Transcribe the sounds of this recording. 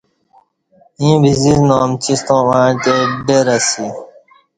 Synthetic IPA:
ĩːbiziznoːmt͡ɕist̪õːãːʈ̪eɖeɾɐsi

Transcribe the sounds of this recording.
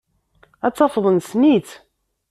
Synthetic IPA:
æt͡sːɑfðˤənsnit͡s

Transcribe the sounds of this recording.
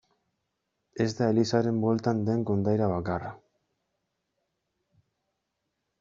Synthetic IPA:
e̞zd̪aelisaɾe̞mbo̞lt̪and̪e̞ŋko̞nd̪ajɾaβakara

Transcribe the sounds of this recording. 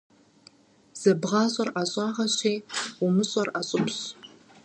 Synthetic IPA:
z̥ɐbʁɑɕʼɐrʔaɕʼɑʁɐɕeːʊmɨɕʼɐraɕʼʊpʰɕ

